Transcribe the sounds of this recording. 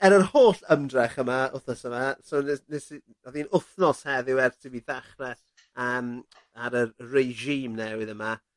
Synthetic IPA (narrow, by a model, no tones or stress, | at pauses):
ɛɾɔrhoːɬəmdrɛχəmaʊθnɔsəmasonɛnɛsi | ɔðinʊθnɔshɛðɪwɛrtʰibiðaχrɛ | əːm | aɾəreʒiːmnɛwɪðəma